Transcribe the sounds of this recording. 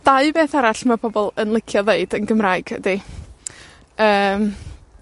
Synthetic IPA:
d̥aɨbeːθaɾaɬmabʰɔbɔlˠənlˠɪkʰjɔðeɨdənɡəmraːɨɡ̥ə̰di | əːm

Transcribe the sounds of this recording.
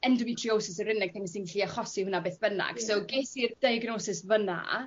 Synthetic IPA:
ɛndʊmitʰriowsɪsərɪnɛɡ̥̚tʰɛŋsinɬiaχɔsihʊnabeːθb̥əna̰ɡ̥sowɡesird̥ejɡnoːsɪsvəna̰

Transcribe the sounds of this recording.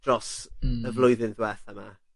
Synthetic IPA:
d̥rɔsəvlˠʊjðɪnðwɛθama

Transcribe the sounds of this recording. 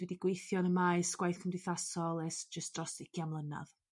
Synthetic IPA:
dwɛdiɡ̥wejθjɔnəmaɨsɡ̥wajθkʰəmdɪθasɔlˠɛsd͡ʒəstd̥rɔsɪkʰjamlˠəna̰ð̥

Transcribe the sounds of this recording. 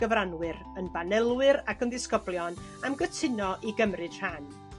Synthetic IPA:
ɡ̥əvranwɪɾ | ənbanɛlˠwɨɾakənðɪskɔblˠjɔn | amɡətʰɪnɔʔiɡəmrɨd̥r̥an

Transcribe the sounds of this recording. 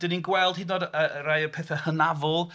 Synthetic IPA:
d̥əninɡwɛlˠd̥hidnoːdəɾajəpʰɛθəhənavɔlˠ

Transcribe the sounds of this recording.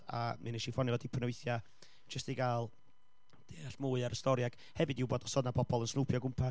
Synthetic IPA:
a̰mɨnɛʃifɔnivɔdipʰənwɨθja | d͡ʒ̥əstiɡaːlˠ | d̥eːaɬmuːɨaɾəstɔɾjaɡ̥ | hɛvɨdɪwboːdɔ̥sɔdnapʰɔbɔlˠənsnupʰjɔɡʊmpʰa

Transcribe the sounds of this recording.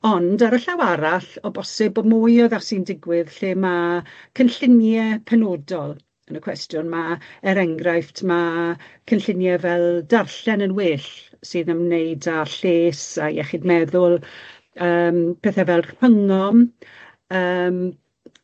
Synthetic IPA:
ɔndaɾəɬawaɾaɬɔbɔsɪbɔmʊjɔðasindɪɡwɪðɬeːmakʰənɬɪnjɛpʰɛnoːdɔlˠ | ənəkʰwɛstjʊnmaɛɾɛŋɡrajftʰmakʰənɬɪnjɛvɛlˠdarɬɛnənweːɬsɨːðəmnejdaɬeːsajɛ̰χɪdmɛðʊlˠ | əːmpʰɛθɛvɛlˠw̥əŋɔm | əːm

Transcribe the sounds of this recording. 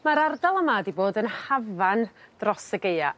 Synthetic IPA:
maɾardalˠəmadiboːdənhavand̥rɔsəɡeja

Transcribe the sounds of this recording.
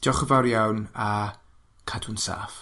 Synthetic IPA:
d̥ɔχəvaɾjawna | kʰadunsa̰ːf

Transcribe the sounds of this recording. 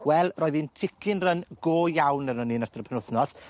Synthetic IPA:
wɛlˠrɔːɨðintʰɪkʰɪnrənɡ̥oːjawnənɔninatʰrəpʰənʊθnɔs

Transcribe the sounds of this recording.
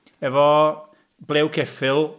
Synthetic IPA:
ɛvɔ | bleːwkʰɛfɪlˠ

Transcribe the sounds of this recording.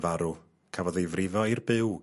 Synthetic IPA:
vaɾu | kʰavɔðejvrɪvɔirbɪw

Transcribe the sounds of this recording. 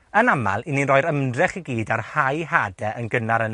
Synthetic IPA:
ənama̰lˠininrɔɨɾəmdrɛχiɡiːdarhajɦadɛʔənɡənaɾən

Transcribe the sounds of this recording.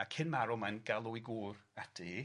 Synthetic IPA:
akʰɪnmaɾɔmanɡalˠʊiɡuːratʰi

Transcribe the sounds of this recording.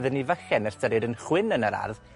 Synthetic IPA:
ðənivəxɛnəstʰəɾɨdənχwɪnənəɾa̰rð

